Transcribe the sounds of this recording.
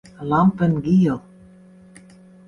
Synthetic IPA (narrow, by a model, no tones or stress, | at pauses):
lɑmpənɡijəlˠ